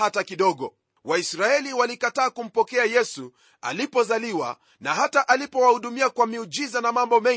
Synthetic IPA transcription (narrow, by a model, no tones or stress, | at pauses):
atakiɗɔɠɔ | waisɾaɛliwalikataːkum̩pɔkɛajɛsu | a̰lipɔzaliwa̰ | naɦataʔalipɔwahuɗumiakwamiud͡ʒizanamambɔmɛ